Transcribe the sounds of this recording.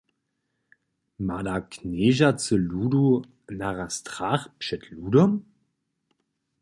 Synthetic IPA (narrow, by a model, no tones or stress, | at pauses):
madakneːʒat͡səluːdu | naʁastʁ̥aχpʃɛtʰluːdɔm